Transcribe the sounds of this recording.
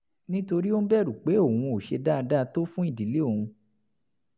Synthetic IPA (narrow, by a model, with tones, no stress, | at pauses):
nĩ˦to˧ɾi˦o˦n˦bɛ˦˨ɾu˨k͡pe˨˦o˦˨wũ˧o˨ʃe˧da˦˧da˦˧to˦fũ˦i˦˨di˨˦le˦o˦˨hũ˧